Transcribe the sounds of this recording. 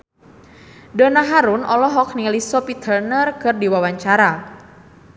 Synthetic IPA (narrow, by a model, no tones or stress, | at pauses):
dɔnaɦaɾʊnɔlɔɦɔk̚nilisɔpit̪ʰərnərkɨrdiwawaɲt͡ʃaɾa